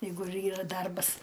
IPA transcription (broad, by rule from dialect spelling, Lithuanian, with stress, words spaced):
ˈjɛɪɡʊ ɪr ˈiːrɐ ˈdɐrbɐs